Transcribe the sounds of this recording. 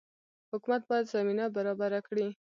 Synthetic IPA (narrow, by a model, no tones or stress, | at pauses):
hʊkumat̪̚bɑjad̪zaminabaɾɑbaɾakɽi